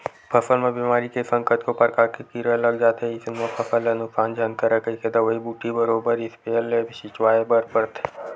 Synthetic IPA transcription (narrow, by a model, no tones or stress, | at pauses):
pʰɐsəlmẽbimaːɾikesɐ̃ŋkət̪kopɾkaːɾkekiɾəlɐɡd͡ʒaːt̪ɦɛɪsnmepʰɐsəlenʊksaːnd͡ʒãnk̪əɾɛkəiked̪aʋɐɦibuːʈʰːibɐɾoːbəɾɪspeːlebʃɪt͡ʃwaːebəɾpəɾt̪e